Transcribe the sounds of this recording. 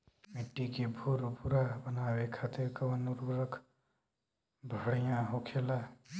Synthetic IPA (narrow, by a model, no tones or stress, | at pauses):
miʈːikebʱuɾpuɾabənaːwekʰat̪iɾkəwənuɾuɾəkʰ | bʱəɽjãɦokʰela